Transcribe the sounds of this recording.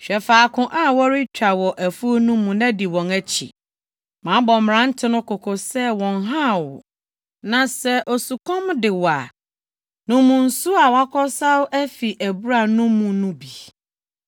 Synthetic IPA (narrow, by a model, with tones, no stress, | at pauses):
ɕᶣɛ˨faː˨kʰʊ̃˦ʔa˦wɔ˦ɾɪ˦t͡ɕᶣa˨wɔ˨ʔæ˨fu˦o˦nũ˦mũ˨nã˦di˨wɔ̃˨næ˦t͡ɕʰḭ˨ | mã˨˦bɔ˨m˨ɾã˦n̩˦tʰɪ˦nʊ̃˦kʰɔ˨kʰɔ˨sɛ˦wɔ̃˨nɦã˦˨wʊ˨ | nã˨sɛ˦ʔo˨su˨kʰɔ̃˦mdɪ˨wa˨ | nũ˦mũ˨n̩˨˦su˦a˨wa˦kʰɔ˦sa˦wʊ˦ʔæ˦fi˨ʔæ˨bu˦ɾa˨nũ˦mũ˨nũ˦bi˨